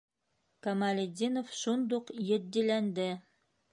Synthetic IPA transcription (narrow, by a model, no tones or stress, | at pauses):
kɐmalʲed̪ʲinofʃund̪uqjɘ̆t̪d̪ilænd̪ɘ